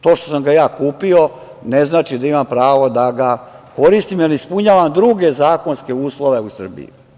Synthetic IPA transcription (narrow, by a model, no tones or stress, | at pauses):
t̪o̞ːʃt̪o̞samɡajaːkuːpio̞ | ne̞znaːt͡ʃid̪aimampɾaːʋo̞d̪aɡa | ko̞ɾist̪imjelispuɲaːʋamd̪ɾuɡe̞zaːko̞nske̞uːslˠoʋe̞usr̩bḭjṵ